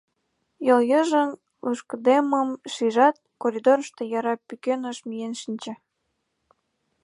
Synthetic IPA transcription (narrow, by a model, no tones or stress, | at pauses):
joljəʒən | uʃkd̪eməmʃiʒɑt̪̚koɾʲid̪oɾəʃt̪ejɑɾɑpykenəʃmijenʃinʲt͡ɕĕ